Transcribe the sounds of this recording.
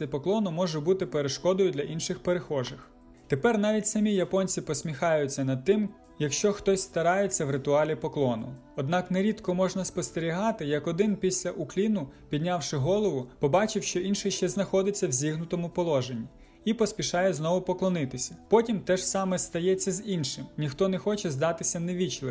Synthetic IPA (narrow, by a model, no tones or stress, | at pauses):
ɛpɔklˠɔnʊmɔʒʊbut̪ɪpeɾeʃkɔd̪ɔjʊd̪lʲɐʔinʃɪxpeɾexɔʒɪx | t̪epɛrnɑʋʲitʲsɐmʲijɐpɔnʲt͡sʲipɔsʲmʲixɑjʊt͡sʲːɐnɐd̪̚t̪ːɪm | jɐkʃt͡ʃɔxt̪ɔsʲst̪ɐɾɑjet͡sʲːɐwɾɪt̪ʊɑlʲipɔklˠɔnʊ̰ | ɔd̪nɑkneɾʲid̪kɔmɔʒnɐspɔst̪eɾʲiɦɑt̪ɪjɐkɔd̪ɪnpʲisʲlʲɐʔʊklʲinʊpʲid̪ʲnʲɑwʃɪɦɔlˠɔʋʊpɔbɑt͡ʃɪwʃt͡ʃɔʔinʃɪʃt͡ʃɛznɐxɔd̪ɪt͡sʲːɐwzʲiɦnʊt̪ɔmʊpɔlˠɔʒenʲːi | ipɔspʲiʃɑjɛznɔʋʊpɔklˠɔnɪt̪ɪsʲɐ̥pɔtʲimt̪ɛʒsɑmɛst̪ɐjɛt͡sʲːɐzinʃɪmnʲixt̪ɔnɛxɔt͡ʃɛzd̪ɑt̪ɪsʲɐneʋʲit͡ʃlˠɪ